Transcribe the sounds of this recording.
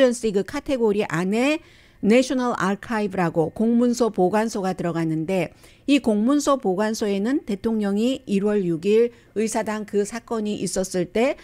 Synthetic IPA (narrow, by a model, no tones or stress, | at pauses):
ʌns͈iɡɯkʰatʰe̞ɡoɾiʔane̞ | neɕʰonaɭa̰ɭkʰaibɯɾaɡokoŋmunsʰopoɡwansʰoɡatɯɾʌɡanɯnde̞ | ikoŋmunsʰopoɡwansʰoe̞nɯnte̞tʰoŋɲʌŋiiɾwʌɭjuɡiɾ | ɯjsʰadaŋkɯsʰak͈ʌɲiʔis͈ʌs͈ɯɭt͈e̞